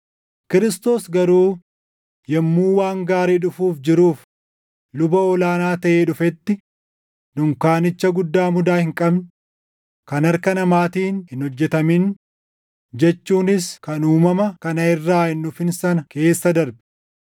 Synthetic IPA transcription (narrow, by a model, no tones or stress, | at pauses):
kɪɾɪst̪o̞ːsɡɐɾuː | jɛmːuːwaːŋɡaːɾiːᶑʊfuːfd͡ʒɪɾuːf | lʊbɐɔlaːnaːt̪ɐʔeːᶑʊfɛt̪ːɪ | nʊŋkaːnɪt͡ʃːɐɡʊd̪ːaːmʊd̪aːhɪŋkʼɐbn | kɐnɐɾkɐnɐmaːt̪iːnhɪnhɔd͡ʒːɛt̪ɐmɪn | d͡ʒɛt͡ʃːuːnɪskɐnuːmɐmɐkɐnɐɪrːaːhɪnːʊfɪnsɐnɐke̞ːsːɐd̪ɐɾbɛ̥